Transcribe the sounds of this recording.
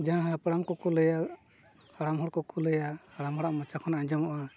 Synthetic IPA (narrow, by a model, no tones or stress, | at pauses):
d͡ʒaãɦãpaɽamkɔkuləja | kaɽamɦɔɽkɔkʰuləjakaɽamɦɔɽaʔmɔt͡ʃakʰɔnaɲd͡ʒɔmɔʔɔ